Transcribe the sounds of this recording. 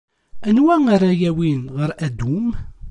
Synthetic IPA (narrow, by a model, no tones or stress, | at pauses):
ənwæŋaɾajæwinʁəɾæd̪um